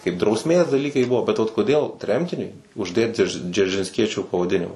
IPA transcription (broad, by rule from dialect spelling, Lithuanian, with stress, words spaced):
kɐɪp drɐʊsʲˈmʲeːs dɐˈlʲiːkɐɪ ˈbuɔ bʲɛt ʋɐt koːˈdʲeːlˠ ˈtʲrʲɛmʲtʲɪnʲʊɪ ʊʒʲˈdʲeːt d͡ʒʲɛ d͡ʒʲɛrʲʒʲɪnʲsʲˈkʲiɛt͡ʃʲʊ pɐʋɐˈdʲɪnʲɪmɐ